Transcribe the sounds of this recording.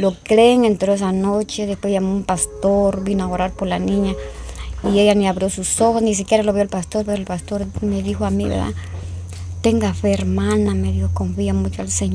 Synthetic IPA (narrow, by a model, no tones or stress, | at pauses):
lokɾeːŋent̪ɾoes̬anot͡ʃeðespwesʝamoumpast̪oɾbinoaoɾaɾpoɾlanĩɲa | iejaniaβɾjo̞susoxosnis̬ikjeɾaloβoelpast̪oɾpeɾoelpast̪oɾmeðixoamiβḛɾða̰ | t̪eŋɡafeeɾmãnameðjokoɱfiamut͡ʃoalseɲ